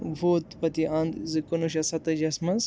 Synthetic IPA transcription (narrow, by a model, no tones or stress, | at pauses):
boːt̪pɐt̪iʔɐ̃nd̪zɨkonuʃ̬ɐsɐt̪ɐd͡ʒɐsmɐz